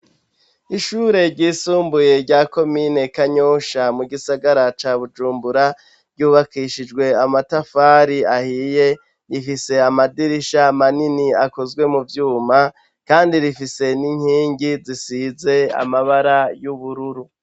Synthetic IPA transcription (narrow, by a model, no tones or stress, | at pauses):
iʃuːɾe̞ɾɟiːsuːmbuje̞ɾɟaːko̞mine̞kaɲoːʃamuɡisaɡaɾat͡ʃaːβud͡ʒuːmbuɾa | ɾɟuːβakiʃid͡ʒɡwe̞amatafaːɾiahiːje̞ | ɾifise̞amadiɾiʃamaniniakozɡwe̞muvjuːma | kaːndiɾifise̞niɲ̥hiːŋɡizisize̞a̰maβaɾajuβuɾuɾu